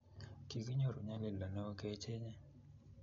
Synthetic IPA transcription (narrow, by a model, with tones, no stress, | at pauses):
ki˨ki˦ɲo˦˨ɾo˨ɲa˦le˦la˨no˦ke˦t͡ʃe˦ɲɛ˦